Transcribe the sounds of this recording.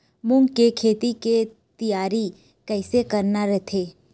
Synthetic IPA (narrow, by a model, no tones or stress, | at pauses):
mʊ̃ŋɡkekʰeːt̪ike | t̪ijaːɾi | kɛɪsekɐɾnaɾɛt̪ʰeː